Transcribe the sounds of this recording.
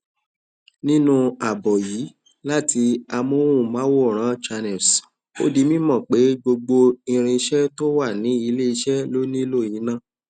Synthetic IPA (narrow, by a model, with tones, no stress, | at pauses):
nĩ˦nũ˦a˨bɔ˨ji˨˦ | la˦˨ti˧a˧mo˦ũ˦˨mãː˨˦wo˦˨ɾ̃ã˨˦t͡ʃa˧nɛ˨s | o̰˦di˧mĩ˦mɔ̃˦˨k͡pe˨˦ɡ͡bo˧ɡ͡bo˧i˧ɾ̃ĩ˧ʃɛ˦to˦wa˦˨nĩ˨˦i˧le˦i˧ʃɛ˦lo˦nĩ˦lo˦˨jĩ˨˦nã˦˨